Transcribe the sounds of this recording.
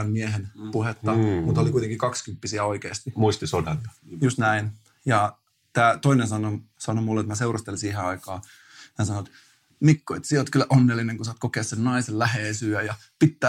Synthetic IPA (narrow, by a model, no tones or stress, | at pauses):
ɑmmieɦenpuhet̪ːɑmut̪olikuit̪eŋkikɑkskympːisiæoikeːst̪imuist̪isodɑnt̪ɑ̥just̪næin | jɑ | t̪æːt̪oinensɑnosɑnomulːet̪mæseurɑst̪elsiːɦeɑikɑː | næsɑnoet̪ | mikːoet̪sieot̪kylːæʔonːelːineŋkusɑːt̪kokeːɑssennɑisellæheːsyːæjɑ | pit̪ːæː